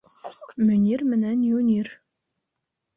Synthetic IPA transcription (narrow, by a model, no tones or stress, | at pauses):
mønʲirmɘnænjunʲir